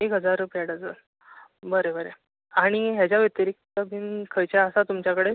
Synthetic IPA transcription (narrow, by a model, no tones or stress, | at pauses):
ekɦəd͡zaɾːupjaɽəd͡zə | bəɾebəɾe | aɽ̃iɦjat͡ɕjaʋət̪əɾik̚t̪əbʱiːnkʰəjt͡ɕaəsat̪umt͡ɕjakəɽe